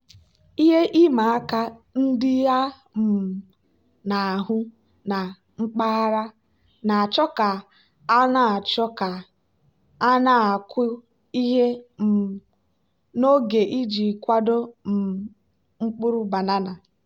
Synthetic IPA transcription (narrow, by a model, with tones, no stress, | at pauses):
i˦ɦe˦ʔi˦ma˨a˦ka˦n̩˦dɪ˦ja˦ | m̩˨ | na˨a˨ɦʊ˦ | na˨ | ŋ͡m̩˦k͡pa˦a˦ɾa˦ | na˨a˨t͡ʃɔ˦ka˨ | a˦na˦a˨t͡ʃɔ˦ka˨ | a˦na˦a˨kʊ˦ | i˦ɦe˦m̩˨ | no˦ɡe˨ʔi˦d͡ʒi˨kʷa˦do˦m̩˨ | ŋ͡m̩˦k͡pʊ˦ɾʊ˦ba˨na˦na˨